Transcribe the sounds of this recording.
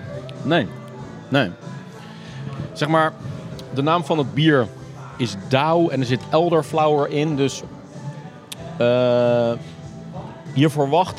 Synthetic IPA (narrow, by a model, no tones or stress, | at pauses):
neː | neː | z̥ɛχmaːɹdənaːmfɑnəd̚biːɹ | ɪzdawɛnəɹzɪtɛlˠdəɹflawəɹɪndøs | ə | jiəɹfəɹʋɑχt